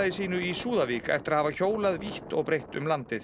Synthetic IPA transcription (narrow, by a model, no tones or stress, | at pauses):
ðɪsiːnʏisuːðaviːka̰ɛ̰ft̪ɪɾaðhavaçoːwlaðviht̪ɔ̰ɣpɾejht̪ʏ̰mlant̪ɪθ